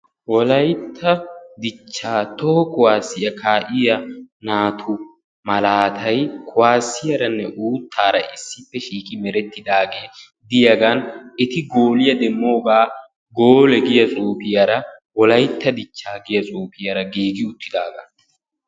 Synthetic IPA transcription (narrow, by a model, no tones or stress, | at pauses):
wɔlɐjt̪ʰːɐd̪ɪt͡ʃːaːt̪ɔhɔkʼʊwaːsːɪjɐkʰaːʔɪjɐnaːt̪ʰʊ | mɐlaːt̪ʰɐjkʼʊwaːsːɪjɐɾɐnːɛʔuːt̪ʰːaːɾɐ̰ʔɪsːɪpːɛʃiːkʼɪmɛɾɛt̪ːɪd̪aːɡe̞ː | d̪ɪjɐɡɐnɪt̪ɪɡoːlɪjɐd̪ɛmːo̞ːɡaː | ɡoːlɛɡɪjɐt͡sʼuːfɪjɐɾɐwɔlɐjt̪ːɐd̪ɪt͡ʃːaːɡɪjɐt͡sʼuːfɪjɐɾɐɡeːɡɪʊt̪ʰːɪd̪aːɡɐ̰